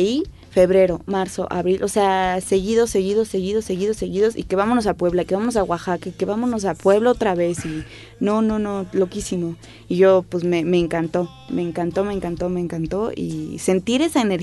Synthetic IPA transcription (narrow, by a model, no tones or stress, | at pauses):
i | fe̞βɾe̞ɾo̞maɾso̞̰ʔa̰βɾilʔosease̞ɣiðo̞sːe̞ɣiðo̞sːe̞ɣiðose̞ɣiðo̞seɣiðo̞sḭke̞βamonos̬alpwe̞βlaikeβamos̬aɣwaxakakeβamoznos̬apwe̞βlaot̪ɾaβe̞si | nonõnõlo̞kisimo | iʝopwesmeme̞ːŋkant̪o̞ | me̞ːŋkant̪o̞meːŋkant̪o̞me̞ːŋkant̪o̞ḭse̞nt̪iɾe̞saeneɾ